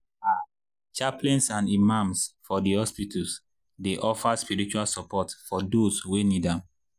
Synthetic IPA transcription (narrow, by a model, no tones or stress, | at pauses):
a | t͡ʃaplɛ̃nsãnimãmsfɔdihɔspitʰɔs | deʔɔfaspiɹit͡ʃualsɔpɔtfɔdoswenidãm